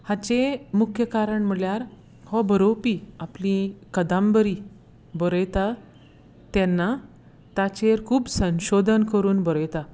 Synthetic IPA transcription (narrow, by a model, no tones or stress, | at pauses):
hat͡ɕemukʰjəkaɾəɳm̤əɭjaɾ | hɔbəɾopiaplĩkəd̪ãmbəɾi | bəɾəjt̪a | t̪ɛnːa | t̪at͡ɕeɾkʰuːbsə̃w̃ɕod̪ʱənkəɾuːnbəɾəjt̪a